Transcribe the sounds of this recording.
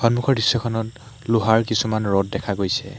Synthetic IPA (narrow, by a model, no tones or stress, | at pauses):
xɔnmukʰɔɹdisːɔkʰɔnɔt | luɦaɹkisumanɹɔt̚dɛkʰaɡojsɛ̰